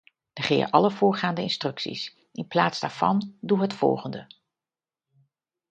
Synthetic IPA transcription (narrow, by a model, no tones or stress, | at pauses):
d̥əχɪ̰ːərʔɑləvʊːɹχaːndəɪnstrɵksḭs | ʔɪnplaːtzdaːɹv̥ɑ̰nduɦətfɔ̰lˠχəndə